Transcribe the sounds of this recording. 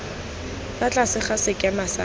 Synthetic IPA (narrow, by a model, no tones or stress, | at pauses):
lat͡ɬʼasɪχasɪkʼjamasa